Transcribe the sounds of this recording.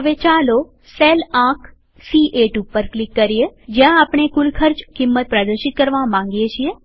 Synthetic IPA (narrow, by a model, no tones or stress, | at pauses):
əʋet͡ʃalo | selãkʰ | siʔeʈupːəɾklɪkːəɾijed͡ʒjãapɳ̃ekʊlkʰəɾt͡ʃkimːət̪̚pɾad̪əɾʃɪt̪̚kəɾʋãmãŋɡjet͡ʃʰie